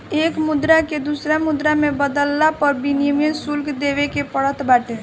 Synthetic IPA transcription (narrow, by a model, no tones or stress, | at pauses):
eːkmʊd̪ɾaked̪usɾamʊd̪ɾamẽbəd̪əlːapɐɾbinijəmjənsʊlkd̪eːʋekepəɽət̪ʰbaːʈẽ